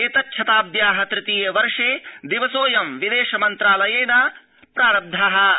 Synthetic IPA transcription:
eːt̪ɐtːʃʰɐt̪aːb̚d̪jaːɦɐt̪ɾɪt̪iːjeʋɐɾʂeːd̪iʋɐsoːjɐmʋid̪eːʃɐmɐnt̪ɾaːlɐjeːnɐ | pɾaːɾɐb̚d̪ʱɐɦɐ̆

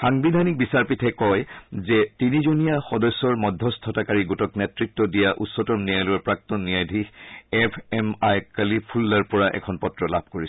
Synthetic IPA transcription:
xaŋbidʱanik̚bisaɹpitʰɛkɔjzɛtinizunijaxɔdɔsːɔɹmɔdʱːɔstʰɔtakaɹiɡutɔknɛtɹik̚tɔdijaʔutsɔtɔmnijajlɔɹpɹak̚tɔnːijajdʱiɛpʰɛmajkalipʰulːaɹpɔɹaʔɛ̰kʰɔnpɔtɹɔlab̚ʱkoɹis

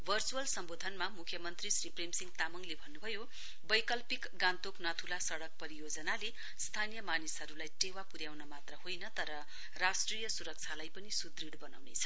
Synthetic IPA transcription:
bʱʌrt͡suwʌlsʌmbod̪ʱʌnmamukʰjʌmʌnt̪risripremsiŋɡt̪amʌŋlebʱʌnːubʱʌjo | bʌjkʌlpikɡãnt̪oknʌt̪ʰulasʌɽʌk̚pʌɾijod͡zʌnale | st̪ʰanijʌmanisɦʌɾulajʈewapuɾjawnʌmat̪rʌhojnʌt̪ʌɾʌ | rasʈrijʌsuɾʌk̚t͡sʰalajpʌnisud̪riɽbʌnawnet͡sʰʌ̥

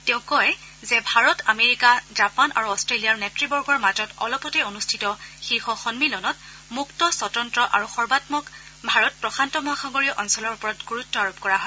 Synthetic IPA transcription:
tẽʊ̃kɔj | zɛbʱaɹɔtameɹikazapanʔa̰ɹuɔstɹeliaɹnɛtɹibɔɹɡɔɹmazɔtɔ̰lɔpɔtɛonustʰitɔxixɔxɔnmilɔnɔt | muktɔsɔtɹɔntɹɔʔaɹuxɔɹbatmɔk | bʱaɹɔt̚pɹɔxʰantɔmɔaxaɡɔɹijɔʔɔnsɔlɔɹupɔɹɔtɡoɹutːɔaɹup̚kɔɹaɦɔj

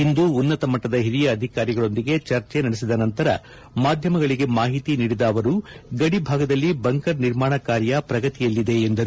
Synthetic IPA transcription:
ind̪uːnːɐt̪ɐmɐʈːɐd̪ɐɦiɾijɐːd̪ʱikaːɾiɡɐɭo̞nd̪iɡe̞t͡ʃɐɾt͡ʃenɐɽesid̪ɐnɐnt̪ɐɾɐ̰ | maːd̪ʱjɐmɐɡɐɭiɡe̞maːɦit̪iniːɽid̪aːʋɐɾuɡɐɽibʱaːɡɐd̪ɐlːibɐŋkɐɾniɾmaːɳɐkaːɾjɐpɾɐɡɐt̪ijɐlːid̪e̞ːnd̪ɐɾu

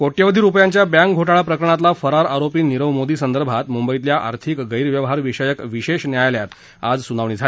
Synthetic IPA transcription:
koʈjəʋəd̪ʱiːɾupjãɲt͡ɕjabjãŋkɡʱoʈaɭapɾəkəɾəɳ̃at̪lafəɾaɾaɾopiːniɾəʋmod̪iːsənd̪əɾbʱat̪mumbəit̪ljaʔa̰ɾt̪ʰikɡəjɾʋjəʋɦaɾʋiɕəjəkʋiɕeɕnjajljat̪ | ad͡zsunaʋɳ̃iːd͡zʱal

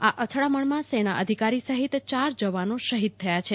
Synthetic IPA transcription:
aʔət̪ʰɭaməɳmãsenaʔəd̪ʱikaɾisəɦit̪t͡ʃaɾd͡ʒəʋanoʃəɦid̪̚t̪ʰːəjat͡ʃʰe

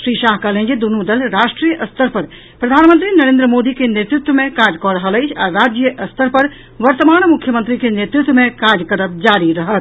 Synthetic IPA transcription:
ʃɾiːʃaːɦkalẽnd͡ʒed̪unud̪əlɾaːʃʈɾijəʔɐst̪ʰəɾpɐɾ | pɾɐd̪ʱaːnmə̃nt̪ɾinɐɾẽːnd̪ɾəmoːd̪ikenet̪ɾɪt̪wəmẽkaːd͡ʒkɔɾəɦələt͡ʃʰaɾaːd͡ʒjəʔɐst̪ʰəɾpɐɾ | ʋɐɾt̪əmaːñmʊkʰjəmə̃nt̪ɾikenet̪ɾɪt̪wəmẽkaːd͡ʒjəkəɾəb̚d͡ʒaːɾiɾɐɦət̪̚ʰ

